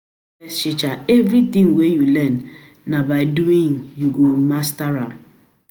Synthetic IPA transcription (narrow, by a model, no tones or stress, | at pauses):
ɛʃɪt͡ʃaɛvɾit̪ĩŋwejulɛnː | abaɪduĩŋjuɡomastaɾam